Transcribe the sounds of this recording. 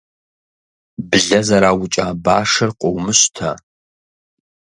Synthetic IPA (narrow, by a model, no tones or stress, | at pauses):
bɨɮɐzɐɾaːwʊt͡ʃʼaːbaːʂɐrqʷʼɔwmɨɕtʰa